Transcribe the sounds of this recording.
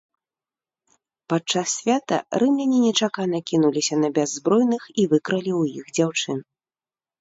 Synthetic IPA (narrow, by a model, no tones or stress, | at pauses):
pat͡ʂasːʲvʲat̪ɐ̰rɨmlʲɛnʲinʲɛt͡ʂakanɐkʲinulʲisʲɐnɐbʲazːbɾɔjnɨxivɨkɾɐlʲiwjixd͡zʲawt͡ʂɨn